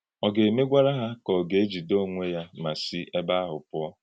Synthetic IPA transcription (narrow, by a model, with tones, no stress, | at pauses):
ɔ˨ɡe˨me˦ɡʷa˦ɾa˦ɦa˦kɔ˨ɡe˨e˦d͡ʒi˨do˦˨ŋʷe˦ja˦ma˨si˦ʔe˦ba˦ɦʊ˨pʊ˦ɔ˦